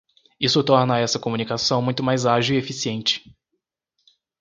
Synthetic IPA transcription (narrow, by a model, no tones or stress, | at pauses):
isʊt̪ɔɾnɐɛsɐkomunikasɐ̃w̃mũj̃t̪ʊmajzaʒiwiefisiẽnt͡ʃɪ̥